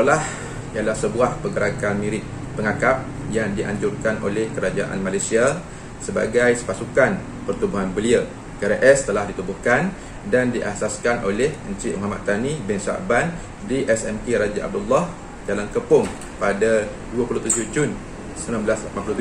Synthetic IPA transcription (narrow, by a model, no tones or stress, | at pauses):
lah | ialahsəbuahpəɡəɾakanmĩɾɪt̪̚ | pəŋakap̚ | jaŋdiʔa̰ɲd͡ʒʊrkanʔo̰lɛhkəɾad͡ʒaʔa̰nmãlajsia | səba̰ɡajsə̥pasukan | pərt̪ubuɦanbəliə | kəɾaʔɛst̪əlahdit̪ubuhkan | dandiʔasaskanʔolɛhənt͡ʃimoɦamat̪̚t̪anibɪnsa̰ʔban | diʔɛsɛmkeɾad͡ʒaʔa̰b̚dulːah | d͡ʒalankəpʊŋ | pada | duapulut̪ud͡ʒʊhd͡ʒun | səməmãmbəlaslapanpulut̪u